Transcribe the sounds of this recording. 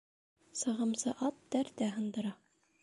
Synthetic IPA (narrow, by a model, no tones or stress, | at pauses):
sɤ̆ʁɤ̆msɤʔɑt̪̚ːæɾt̪æɦɤ̆nd̪ɤ̆ɾɑ